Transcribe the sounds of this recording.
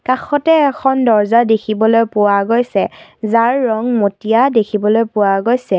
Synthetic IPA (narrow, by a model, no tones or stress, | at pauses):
kaxɔtɛːkʰɔndɔɹzadekʰibɔlojpʊwaɡojsɛzaɹːɔŋmotijadekʰibɔlojpʊwaɡojsɛ